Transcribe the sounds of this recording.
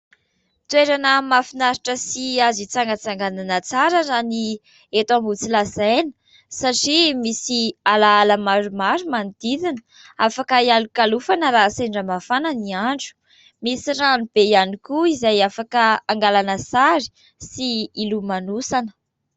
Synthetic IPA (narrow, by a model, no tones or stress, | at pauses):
t̪weɾanəmafinaɾiʈ͡ʂəsiazit͡saŋɡət͡saŋɡananət͡saɾazani | et̪ambut͡silasajnə̥ | saʈ͡ʂimisialaalamaɾumaɾumanid̪̥id̪inə | afakəialukalufanəɾaseɳɖ͡ʐamafananiaɳɖ͡ʐu̥ | misiranub̥eianikuizajafakəaŋɡalanəsaɾi̥ | siilumanusanə̥